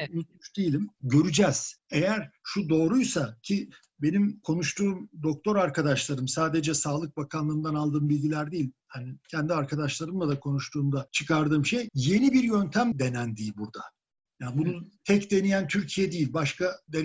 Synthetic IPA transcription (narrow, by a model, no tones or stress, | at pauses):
uyt͡ʃd̪ijilʲimɟø̞ɾyd͡ʒɛz̥e̞jæɾʃud̪o̞ːɾujsacʰi | be̞nimkʰo̞nuʃt̪ʰuːmd̪o̞k̚t̪ʰo̞ɾaɾkad̪aʃlˠaɾɯmsaːd̪e̞d͡ʒɛsaːlˠɯk̚bakʰanlˠɯːmd̪analˠd̪ɯːmbilʲɟilʲæɾd̪ijilʲhanicʰɛnd̪iaɾkʰad̪aʃlˠaɾɯmlˠad̪akʰo̞nuʃt̪ʰuːmd̪at͡ʃʰɯkaɾd̪ɯːmʃejje̞nibiɾjø̞nt̪ʰæmd̪e̞nænd̪iilʲbuɾd̪a | janbunut̪ʰɛcd̪e̞nijænt̪ʰyɾcʰijɛd̪ijilʲbaʃkʰad̪e